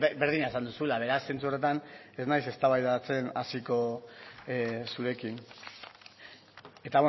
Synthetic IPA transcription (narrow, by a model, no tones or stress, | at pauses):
be̞ɾð̞iɲaesand̪usulaβe̞ɾasːe̞nt͡su̞re̞t̪ane̞znajse̞st̪aβajðat͡se̞nasiko̞ | suɾe̞kin | e̞t̪aβwe